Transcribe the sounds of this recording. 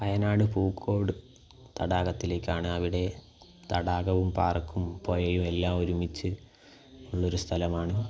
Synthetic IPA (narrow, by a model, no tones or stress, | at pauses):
pɐjɐnaːɽɨpuːkʰːo̞ːʋɽɨ | t̪ɐɽaːɣɐt̪ːile̞ːkʲːaːɳɨɐʋiɽe̞ | t̪ɐɽaːɣɐʋumpaːrkːumpo̞ːjɐjume̞lːaːoɾumit͡ɕːɨ | uɭːɐo̞ɾust̪ʰɐlɐmaːɳɨ